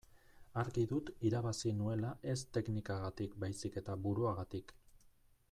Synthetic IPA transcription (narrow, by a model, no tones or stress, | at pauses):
aɾɣiðut̪iɾaβasinue̞laʔe̞st̪e̞knikaɣat̪ikbajsike̞t̪aβuɾuaɣat̪ik